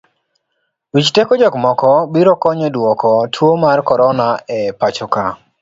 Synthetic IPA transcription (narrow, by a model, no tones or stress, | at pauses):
wit͡ʃtekɔd͡ʒɔkmɔkɔbiɾɔkɔɲɔdwɔkɔtʰwomarkɔɾɔnaɛpat͡ʃɔka